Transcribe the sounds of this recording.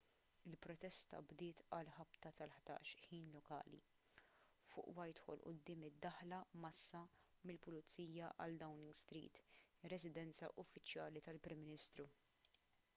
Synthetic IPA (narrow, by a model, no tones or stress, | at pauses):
ɪlpɾɔt̪ɛst̪ɐ̰bd̪ɪːt̪ɐlħɐpt̪ɐt̪ɐlħd̪̥ɐ̰ːʃħiːnlɔkɐ̰ːlḭ | fʊ̰ːʔwɐjt̪hɔ̰lʔʊ̰d̪ːɪːmɪd̪ːɐħlɐmɐsːɐmɪlpʊlʊt͡sːiːjɐʔɐ̰ld̪ɐwnɪŋɡst̪ɾḭːt̪ɪrɛzɪd̪ɛnt͡sɐʔʊfːɪt͡ʃjɐːlit̪ɐlpɾɪmːɪnɪst̪ɾu